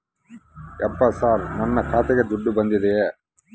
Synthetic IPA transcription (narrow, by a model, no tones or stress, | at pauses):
ɛpːɐsaːɾmɔnːɐkʰaːt̪ɛɡed̪uɖːubɐnd̪id̪e